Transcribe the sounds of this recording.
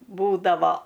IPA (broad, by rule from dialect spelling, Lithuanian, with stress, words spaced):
ˈbuːdɐʋoː